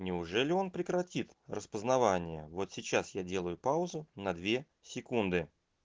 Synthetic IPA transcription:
nʲɪʊʐɛlʲɪo̞npɾʲɪkɾɐtʲit̪rəspəznɐvanʲɪjə̰vo̞t̪sʲɪt͡ɕasjadʲe̞lˠəjʊpaʊzʊnɐd̪vʲe̞ | sʲɪkund̪ɨ

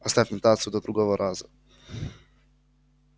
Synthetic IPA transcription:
ast̪afʲɛt̪at̪sjud̪ɔd̪ɾuɡɔvɔɾʔazu

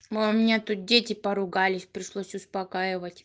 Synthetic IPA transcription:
omʲɪnʲat̪ut̪̚dʲetʲɪpɐɾʊɡalʲɪsʲpɾʲɪʂlˠosʲʊspɐkajɪvətʲ

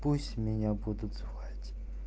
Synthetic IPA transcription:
pusʲmʲɪɲʲabud̪ʊt̪zʊxatʲ

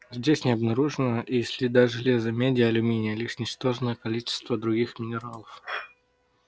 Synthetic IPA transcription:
zʲdʲesʲnʲɪɐbnɐɾuʐɨnəʔisʲlʲɪd̪aʐɨlʲe̞zəmʲedʲɪəɐlʲʊmʲinʲɪjəlʲiʂnʲɪt͡ɕt̪o̞ʐnəjəkɐlʲit͡ɕɪ̥st̪vəd̪ɾʊɡʲixmʲɪnʲɪɾalˠəf

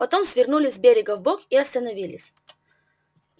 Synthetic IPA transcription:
pɐt̪o̞msʲvʲɪrnulʲɪsʲbʲeɾʲɪɡəvbokiɐst̪ənɐvʲilʲɪsʲ

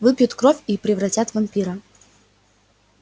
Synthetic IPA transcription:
vɨpʲjʊt̪kɾofʲipɾʲɪvɾɐtʲat̪vɐmʲpʲiɾɐ

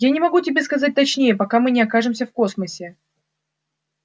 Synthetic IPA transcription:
janʲɪmɐɡutʲɪbʲe̞skɐzat̚ʲt̪ɐt͡ɕnʲejəpɐkamɨnʲɪɐkaʐɨmsʲəfko̞sməsʲɪ

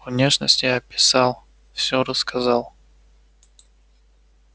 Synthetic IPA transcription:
vnʲeʂnə̰sʲtʲɪjaɐpʲɪ̥sɑlˠ | fsʲoɾəskɐzɑlˠ

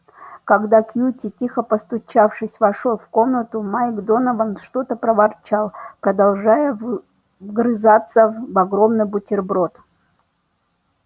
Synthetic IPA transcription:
kɐɡd̪akjutʲɪtʲixəpəst̪ʊt͡ɕafʂɨsʲvɐʂolˠfkomnət̪ʊmajɡd̪onəvənʂt̪ot̪əpɾəvɐrt͡ɕalˠpɾəd̪ɐlˠʐajəv | ɡɾɨzat̪səvɐɡɾo̞mnɨjbʊtʲɪrbɾo̞t̪

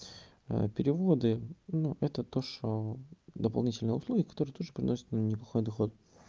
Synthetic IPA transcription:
ə̰pʲɪɾʲɪvo̞d̪ɨnuʔɛt̪ət̪o̞ʂod̪əpɐlˠnʲitʲɪlʲnəjəʊslˠuɡʲɪkɐ̥t̪o̞ɾɨjət̪ud̪ʐɨpɾʲɪ̰no̞sʲɪt̪nnʲɪplˠɐxo̞jd̪ɐxo̞t̪

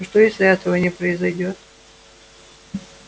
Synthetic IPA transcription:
ʂt̪ojesʲlʲɪɛt̪əvənʲɪpɾəɪzɐjdʲo̞t̪

